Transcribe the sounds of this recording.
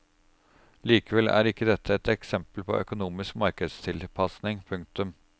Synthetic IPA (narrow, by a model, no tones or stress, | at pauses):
liːkəʋɛlæ̰ːɾɪkːəd̪ɛt̪ʰːəɛt̪ɛksɛmpəlpʰɔ̰ʔœ̰kʊnuːmɪskmɑɾkəd̪st̪ʰɪlpʰɑsnɪŋpʰʉŋk̚t̪ʉm